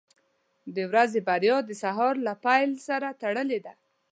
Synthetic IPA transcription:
d̪əwɾazebaɾjɔd̪əsaɦɔɾlapajlsaɾat̪aɽəled̪a

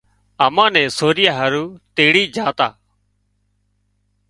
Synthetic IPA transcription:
amãːnɛ̃ːsoːɾɪjaːɦəɾuːt̪eːɽiːd͡ʒʱaːt̪a̰ː

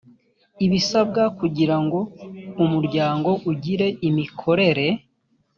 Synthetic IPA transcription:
iβisab̚ɡakuɟiɾaŋɡo̞umuɾɟaːŋɡo̞ʔuɟiɾe̞imikʰo̞ɾe̞ɾe̞

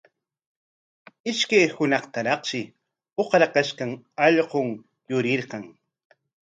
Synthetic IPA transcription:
ɪʃkajhʊnɑχt̪aɾɑχʃɪ | oqlakaʃkaŋɑʎɢoŋ | jʊɾɪɾɢɑŋ

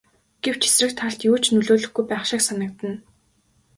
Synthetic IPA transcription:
ɡ̥ew̥t͡ɕʰi̥srɘ̆kt̪ʰaɮt̪juːt͡ɕnɵɮoːɮɵ̆xɡujpæːχʃɪksanə̆k̚t̪ə̆n

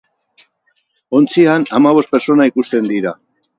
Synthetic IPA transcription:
o̞nt͡sianamaβ̞o̞st̪pe̞ɾt͡so̞naikust̪e̞nd̪iɾa

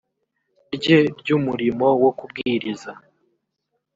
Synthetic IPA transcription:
ɾɟeɾɟumuɾimo̞wokub̚ɡiːɾiza

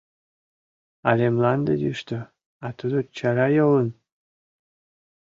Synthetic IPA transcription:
ɑ̰lʲemlˠɑnd̪ḛd̪yʃt̪ɤ | ɑt̪ud̪ot͡ɕɑɾɑjolən

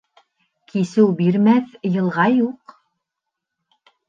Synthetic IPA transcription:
kisɘwbiɾmæθjɤ̆lˠʁɑjuq

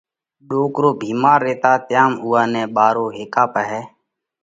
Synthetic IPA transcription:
ɗoːkɾoːbʱiːmaːɾːeːt̪aːt̪ɪjaːmuːaːnɛ̃ːɓaːɾoːɦeːkaːpəɦɛː

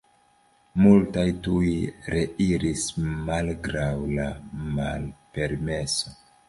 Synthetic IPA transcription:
multajtujɾeʔiɾismalɡɾawlama̰lpe̞ɾme̞so

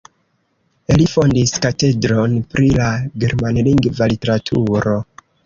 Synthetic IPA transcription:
elifo̞ndiskate̞dɾo̞npɾʔilaɡeɾmanliŋɡvalite̞ɾatʰuɾo̞

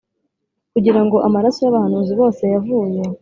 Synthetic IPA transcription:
kuɟiɾaŋɡo̞ʔamaɾasojaβahanuːziβo̞ːse̞javuːje̞

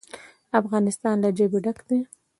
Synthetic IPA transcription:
afɣɑnɪst̪ɑnlad͡ʒebiɖakd̪e

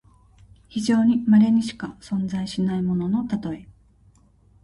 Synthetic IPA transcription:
çiʑo̞ːɲ̟imaɾe̞ɲ̟iɕi̥kasõ̞nd͡zaiɕinaimo̞no̞no̞t̪at̪o̞e

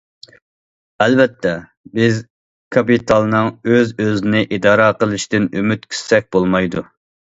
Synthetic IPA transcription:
ɛlbɛt̪ʰːɛ | bɪz | kʰɑpit̪ʰɑlˠnɨŋøzøzɪnɪʔid̪ɑːɾɑqəlˠɨʃt̪ɪnymyt̪̚kʲʰy̥sɛk̚ʲbolˠmɑjd̪u

